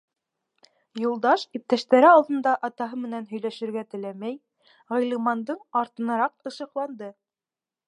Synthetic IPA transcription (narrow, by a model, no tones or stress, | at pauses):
julˠd̪ɑʃip̚t̪æʃt̪æɾɘɑlˠd̪ɤ̆nd̪ɑʔɑt̪ɑɦɤmɘ̆nænɦɵ̆jlæʃɘ̆ɾɡæt̪ɘ̆læmæj | ʁɤ̆jlˠɤ̆mɑnd̪ɤɴɑɾt̪ɤ̆nɤ̆ɾɑq̚ɤ̆ʃɤ̆qlˠɑnd̪ɤ